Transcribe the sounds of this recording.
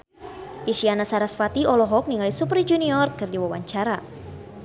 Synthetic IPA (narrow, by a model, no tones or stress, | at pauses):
ʔiʃianasaɾasfat̪iʔɔlɔɦɔk̚niŋalisuprid͡ʒuniɔrkːɨrdiwawaɲt͡ʃaɾa